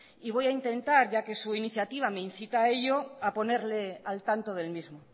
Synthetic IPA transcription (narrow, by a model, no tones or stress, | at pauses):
iβojaint̪e̞nt̪aɾʝake̞suiniθjat̪iβ̞amein̟θit̪aeʎoapo̞ne̞ɾlealt̪ant̪oðe̞lmizmo